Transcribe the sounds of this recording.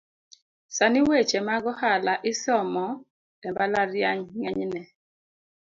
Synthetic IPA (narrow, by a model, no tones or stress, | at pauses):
saniwet͡ʃemaɡɔhalaʔɪsɔmɔ | ɛmbalaɾjaɲŋɛɲnɛ